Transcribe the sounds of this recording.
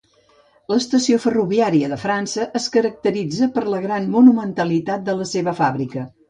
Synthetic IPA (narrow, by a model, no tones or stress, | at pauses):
ləːst̪əsiofəruβiaɾiəðəfɾansəʔəskəɾək̚t̪əɾid͡zəpəɾləɣɾanmunumənt̪əlit̪at̪̚d̪ələseβəfaβɾikə